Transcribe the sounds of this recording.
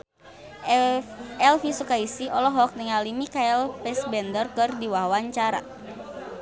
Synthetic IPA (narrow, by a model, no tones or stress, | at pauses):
ɛlfisukaisiɔlɔɦɔk̚nəŋalimikaɛlpɛsbɛndərkɨrdiwaɦwaɲt͡ʃaɾa̰